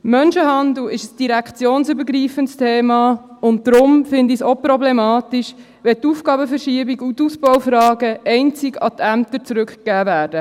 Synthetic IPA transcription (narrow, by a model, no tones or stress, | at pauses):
mœnʃəɦɑnd̪l̩ɪʃəsd̥iɾækt͡sjoːnsybəɾɡɾiːfəntst̪ʰeːmɑʊnt̚d̥ɾʊmfɪndisopɾɔblɛmɑːt̪iʃ | ʋɛtuːfɡ̥ɑːbəfɛɾʃiəbiɡut̪usbɔwfɾɑːɡəɛɪnt͡siɡɑ̰t̪ʰæmt̪əɾt͡sɾʉkkæːvæːɾd̥ə